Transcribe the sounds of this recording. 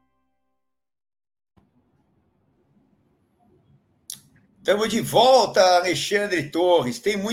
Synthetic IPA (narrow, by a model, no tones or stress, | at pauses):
t̪ɐ̃mʊzd͡ʒivɔwt̪ɐaleʃɐ̃nd̪ɾɪt̪oʁɪst̪ẽj̃mũj̃